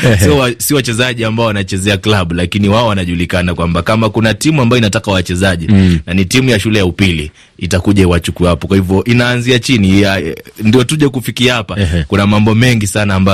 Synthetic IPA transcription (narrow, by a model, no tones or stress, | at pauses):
siɔwasiɔwat͡ʃɛzaʄiambaɔwanat͡ʃɛzɛaklaɓulakiniwaɔwanaʄulikanakwambakamakunatimuambajɔinatakawat͡ʃɛzaʄinanitimujaʃulɛjaupili | itakuʄaiwat͡ʃukuapɔkwahivjɔʔinaːnziat͡ʃiniandijɔtuʄakufikiahapakunamambɔmɛŋɡisanaːmba